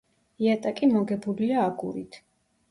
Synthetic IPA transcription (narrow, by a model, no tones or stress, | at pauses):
iat̪ʼakʼimɔɡɛbuliaːɡṵɾḭt̪ʰ